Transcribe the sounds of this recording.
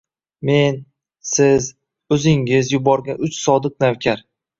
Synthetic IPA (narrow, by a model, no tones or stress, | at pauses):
me̞n | sɪz | ɵzɪŋɪzjʊbɒɾɡʲanʊt͡ʃsɒd̪ɨq̚nawkʲʰaɾ